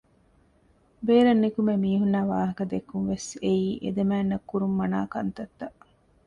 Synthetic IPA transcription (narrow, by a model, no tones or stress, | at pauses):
beːɾɐnːikumemiːɦunːæːʋaːɦɐkɐd̪ekːunʋeseiːʔḛd̪emæːnːɐkːuɾumːɐnaːkɐnt̪ɐt̪ːɐ